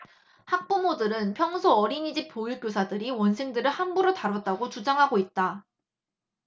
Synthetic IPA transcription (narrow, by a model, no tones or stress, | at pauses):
hak̚p͈omodɯɾɯnpʰjʌŋsʰoʌɾiɲid͡ʑip͈ojuk͈josʰadɯɾiwʌnsʰeŋdɯɾɯɭhambuɾotaɾwʌt̚t͈aɡot͡ɕud͡ʑaŋɦaɡoit̚t͈a